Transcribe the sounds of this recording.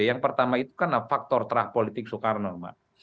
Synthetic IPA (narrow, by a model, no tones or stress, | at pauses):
jaŋpərt̪amait̪ukanlafak̚t̪ɔrt̪əɾahpolit̪ɪk̚sukarnɔma̰ʔ